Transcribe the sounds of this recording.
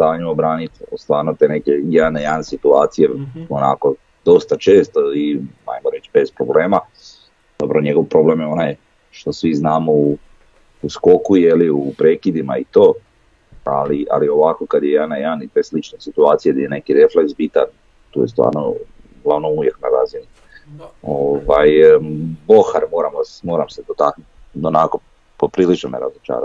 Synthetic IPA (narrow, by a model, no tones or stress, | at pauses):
st̪aːɲuobɾaːnit̪st̪ʋaːɾnot̪e̞nekejed̪anejaːnsit̪uaːt̪sijeona̰ko̞ | d̪o̞st̪at͡ʃe̞ːst̪oia̰jmoɾe̞t͡ɕbe̞spɾo̞ble̞ːma | d̪̥opɾaoɲe̞ɡo̞ʋpɾo̞ble̞ːmjeo̞naj | ʃt̪o̞sʋiznaːmo̞uː | sko̞kujeliupɾeːkid̪imait̪oː | aliʔa̰lio̞ʋako̞kad̪jejeanajaanit̪eslit͡ʃnesit̪uaːt̪sijad̪ajene̞kiɾe̞fleksbit̪an | t̪ṵːje̞st̪ʋa̰ːɾno̰ | ɡlˠaʋno̞uje̞knaɾazini | oʋaj | bo̞xaɾmo̞ːɾamosmo̞ːɾamsed̪ot̪aknut̪ | onako | popɾilit͡ʃnomeɾazot͡ʃa̰ːɾa̰